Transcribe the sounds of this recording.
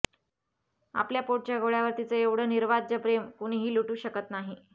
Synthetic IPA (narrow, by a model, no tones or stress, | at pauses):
a̰pljapoʈ̚t͡ɕjaɡoɭjaʋəɾt̪it͡səeʋɽ̤əːniɾʋad͡ʑəpɾemkuɳ̃ɦiːluʈuːɕəkət̪naɦi